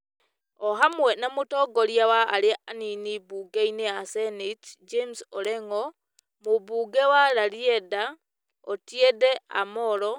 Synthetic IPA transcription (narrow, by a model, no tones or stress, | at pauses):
oɦamwenamutɔɡoɾjawaːleaninibuːɡeineasenitd͡ʒemsɔɾɛŋo | mubuːɡewaɾaɾiɛda | otjɛdɛa̰moɾɔ